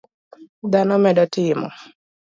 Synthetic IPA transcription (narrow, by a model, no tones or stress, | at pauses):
d̪anɔmɛdɔtɪmɔ̰